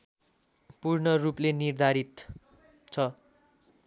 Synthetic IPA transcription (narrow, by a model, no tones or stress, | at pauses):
purnʌruplenird̪ʱaɾit̪ | t͡sʰʌ